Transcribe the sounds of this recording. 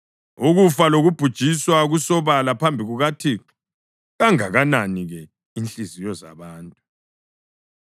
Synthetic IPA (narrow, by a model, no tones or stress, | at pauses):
uɣufaloɣub̥ʱud̥ʒ̥ʱiswaɣusɔβalapʰambʱiɣuɣatʰi | ɣaŋaɣananiɣɛ | int͡ɬʼizijɔza̰βaːntʼu